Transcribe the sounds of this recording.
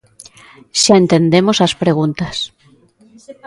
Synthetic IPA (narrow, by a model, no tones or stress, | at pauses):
ʃaẽnt̪end̪emosɐspɾeɣ̞unt̪ɐs